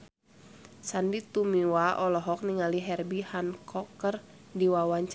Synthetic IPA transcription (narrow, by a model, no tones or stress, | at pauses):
sandit̪umiwaʔɔlɔɦɔk̚niŋaliɦɛrbihankʰɔkər | diwawaɲt͡ʃ